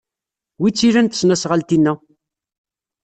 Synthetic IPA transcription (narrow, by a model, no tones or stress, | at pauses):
wit͡sːiɾænt̪ə̥snæsʁalt̪inːæ